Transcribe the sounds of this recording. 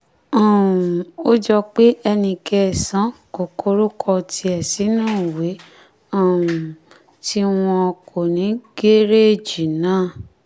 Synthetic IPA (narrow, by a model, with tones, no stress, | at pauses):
ã˨ũ˨o˦d͡ʒɔ˧k͡pe˦ʔɛ˧nĩ˧kɛ˧˨sã˨˦ko˨kʰo˧˦ɾo˦kʰɔ˧tʰi˧ɛ˨si˨˦nũː˦˨we˨˦ | ã˦˨ũ˨ | ti˦w̃ɔ̃˧ɔ˧kʰo˨nĩ˨˦ɡe˦ɾe˦e˦˨d͡ʒi˨nãː˨˦˨